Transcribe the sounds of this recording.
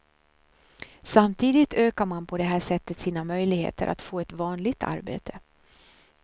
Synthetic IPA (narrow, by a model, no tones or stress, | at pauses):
samt̪ʰiːd̪ɪt̪ʰøːkaɾmanpʰɔd̪ɛɦæːʂɛt̪ːət̪siːnamœjlɪɡhḛːt̪ʰə̰ɾʔa̰t̪foːɛt̪vɑːnlɪɡ̚t̪ʰa̰ɾbḛːt̪ʰə̥